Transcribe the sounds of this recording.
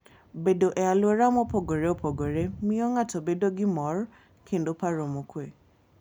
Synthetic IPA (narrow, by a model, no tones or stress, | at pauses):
bedoʔɛaloeɾamɔpoɡoɾeopʰoɡoɾemĩɔŋatɔbedoɡimɔɾ | kʰen̩dopaɾomõkwe